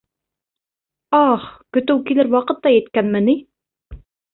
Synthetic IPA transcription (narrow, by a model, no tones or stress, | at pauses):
ɑχkɵ̆t̪ɘwkilɘɾwɑqɤ̆t̪ːɑjɛt̪kʲænmɘni